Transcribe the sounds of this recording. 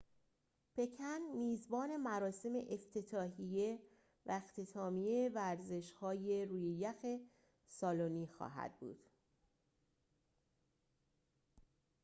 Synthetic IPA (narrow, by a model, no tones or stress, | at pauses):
pʰe̞cʰænmiːzbɒːne̞mæɾɒːse̞me̞̰ʔeft̪ʰe̞t̪ʰɒːɦije̞ | væext̪ʰe̞t̪ʰɒːmijeevæɾze̞ʃhɒːje̞ɾuːjejæxe̞ | sɒːloniːxɒ̰ːɦæ̰d̪̥̚bṵːd̪̥